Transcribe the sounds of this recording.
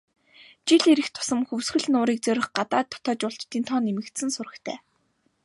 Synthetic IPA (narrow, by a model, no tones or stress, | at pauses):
t͡ɕiɮeɾɘ̆xt̪ʰʊ̥sə̆mxɵwsxɘ̆ɮnʊːɾiːk̚t͡sœɾʲɪ̆χɢat̪aːt̪ʰːɔ̥t̪ɔːt͡ɕʊɬt͡ɕt̪ːiːnt̪ʰɔːnemɘ̆kt̪sɘ̆nsʊrə̆kt̪ʰæ̰ː